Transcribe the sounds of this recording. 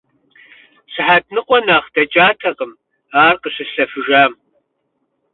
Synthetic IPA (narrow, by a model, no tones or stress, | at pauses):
sɨħaːtʰnɨqʷʼɔnaːχd̥ɐt͡ʃʼaːtʰɐqəm | aːrqəɕɨɬɐfɨʒaːm